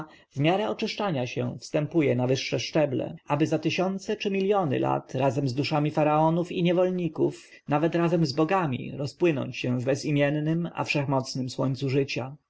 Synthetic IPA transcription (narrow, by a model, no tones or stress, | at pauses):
vmʲjaɾɛɔt͡ʂɘʂt͡ʂaɲaɕɛ̰fst̪ɛmpujɛnavɘʂːɛʂt͡ʂɛblɛ̰ʔabɘzat̪ɘɕɔnt̪sɛt͡ʂɘmʲilʲjɔnɘ̰lʔa̰t̪ɾazɛmzd̪uʂamʲifaɾaɔnufiɲɛvɔlɲikuf | navɛt̪ɾazɛmzbɔɡamʲḭɾɔspwɘnɔ̰ɲt͡ɕɕɛ̃vbɛzimʲjɛnːɘma̰fʂɛxmɔt̪snɘmswɔɲt̪suʐɘt͡ɕa